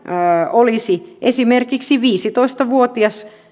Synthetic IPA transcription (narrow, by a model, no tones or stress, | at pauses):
olisiʔesimerkiksiʋiːsit̪oist̪ɑʋuot̪iɑs